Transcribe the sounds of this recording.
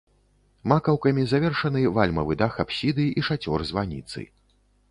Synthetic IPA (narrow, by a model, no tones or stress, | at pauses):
makɐwkɐmʲizavʲɛrʂɐnɨvalʲmɐvɨd̪axapsʲid̪ɨiʂat͡sʲɔrzvanʲḭt̪sɨ̰